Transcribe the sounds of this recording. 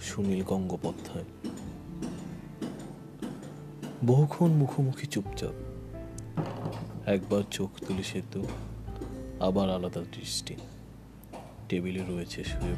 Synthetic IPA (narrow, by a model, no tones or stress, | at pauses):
ʃunilɡɔŋɡopɔd̪ʱːae | boɦkʰonmukʰomukʰit͡ɕupt͡ɕa̰b | ɛk̚baɾt͡ɕokʰt̪uliʃet̪o | abaɾalad̪at̪ɾisʈi | ʈebileɾoet͡ɕʰeʃuɾe